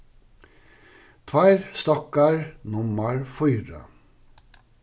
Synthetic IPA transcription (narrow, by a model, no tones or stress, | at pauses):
t̪ʰʋæɾst̪ɑkɑɹnʊməɹfɔʏɾə̰